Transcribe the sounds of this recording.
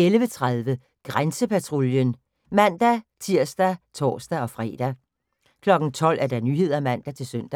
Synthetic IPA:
elʋət͡sʰʁaðˠʋə | ɡ̥ʁansəpʰæt͡sʰʁoljən | mæn̰d̥æt͡sʰiɐ̰sd̥æt͡sʰɒ̰ːsd̥æɒ̽fʁɛ̰ːd̥æ | kʰlɒ̽ɡ̥n̩t͡sʰɒ̽l̰ʔæɐd̥ɑnyːɦe̝ð̞̰ˠɐæmæn̰d̥æt͡sʰe̝lsøn̰d̥æ

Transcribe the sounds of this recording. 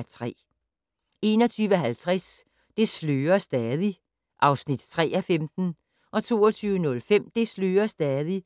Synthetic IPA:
t͡sʰʁɛ̰ː | e̝ːnɒ̽t͡sʰyːʋəɦælt͡sʰʁas | d̥e̝sløːɐsd̥ɛðˠi | ʔɑ̈ʊsnid̥t͡sʰʁɛ̰ːæfemd̥n̩ | ʔɒ̽t͡sʰo̝̰ːɒt͡sʰyːʊənɔ̽lfem̰d̥e̝sløːɐsd̥ɛːðˠi

